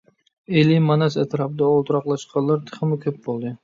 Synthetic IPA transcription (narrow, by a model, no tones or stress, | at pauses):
elɪmanasat̪ʰɾap̚d̪aɒlˠt̪ʰɾɑqlˠaʃqʰɑllːaɾt̪ʰɨ̥χɨmɪkʲʰɵp̚bolˠd̪ɪ